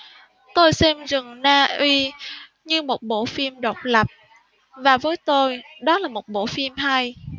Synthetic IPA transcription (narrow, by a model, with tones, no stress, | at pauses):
t̪o˧jsɛ˧mzɨ˨˩ŋnaː˧ʔwi˧ | ɲɨ˧mo˨˩t̚ɓo̰˧˥fi˧mɗə˨˩wk͡p̚lə˨˩p̚ | vaː˨˩vəː˨˦jt̪o˧jɗɔ˨˦laː˨˩mo˨˩t̚ɓo̰˧˥fi˧mɦa˧j